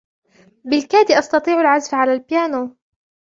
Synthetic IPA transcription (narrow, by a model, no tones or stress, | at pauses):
bɪlkaːd̪iʔɑst̪ɑt̪ˤiːʕalʕazfʕalaːlpɪjaːno